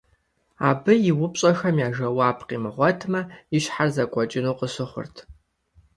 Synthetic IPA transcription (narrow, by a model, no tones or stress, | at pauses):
a̰ːbɨjɪwʊpɕʼɐxɐmjaːʒɐwaːpʰqiːmɨʁʷɔtʰmɐiʃħarzɐkʷʼɔt͡ʃʼɪnuːqəsɪχʷʊ̰rtʰ